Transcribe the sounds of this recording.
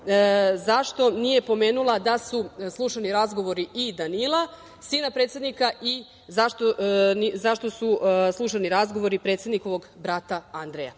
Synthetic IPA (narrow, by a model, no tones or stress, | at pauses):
zaʃt̪o̞nije̞po̞me̞ːnulˠad̪asuslˠuʃaniɾazɡo̞ʋo̞ɾiʔid̪anilˠa | siːnapɾe̞ːt̪sje̞d̪nikaʔi | zaʃt̪onizaʃt̪o̞suslˠuʃaniɾazɡo̞ʋo̞ɾipɾe̞t̪sjed̪niko̞ʋo̞ɡbɾat̪aand̪ɾeja̰